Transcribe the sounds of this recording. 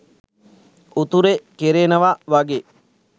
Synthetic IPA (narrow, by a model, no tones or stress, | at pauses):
ut̪uɾekeɾeːnəʋaʋaɡe